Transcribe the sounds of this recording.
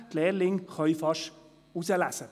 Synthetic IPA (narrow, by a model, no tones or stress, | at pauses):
t̪lɛːlɪŋχɔifɑʃ | usəlæsə